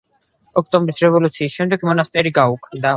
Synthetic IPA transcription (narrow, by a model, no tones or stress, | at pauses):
ɔk̚ʰt̪ʼɔmbɾisɾɛvɔlut̪sʰiːsʃɛmd̪ɛɡmɔnast̪ʼɛɾiɡaukʼnd̪a